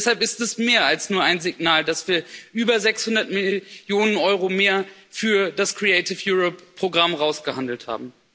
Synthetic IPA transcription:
shalpɪstɛsmeːɐalsnuːɐaɪnzɪɡnaːldasv̥iːɐʔyːbɐzɛkshʊndɐtmɪljoːnənɔʏʁomeːɐfyːɐdaskʁ̥iɛɪtɪfjuːʁɔpːʁ̥oɡʁamʁaʊsɡ̥əhandl̩tha̰ːbm̩

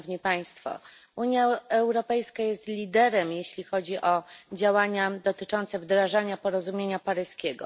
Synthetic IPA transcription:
vɲipaj̃st̪fɔ̰ | uɲjaɛwɾɔpɛjskajɛst̪lʲid̪ɛɾɛmjeɕlʲixɔd͡ʑiʔɔd͡ʑawaɲad̪ɔt̪ɘt͡ʂɔnt̪sɛvd̪ɾaʐaɲapɔɾɔzumʲjeɲapaɾɘskʲeɡɔ̰

